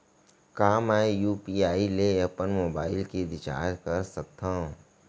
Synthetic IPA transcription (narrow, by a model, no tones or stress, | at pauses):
kaːmɛjuːpiaːileɐpənmoːbaːɪlked̪ɪt͡ʃa̰ːɾkəɾsɐk̚t̪ʰãː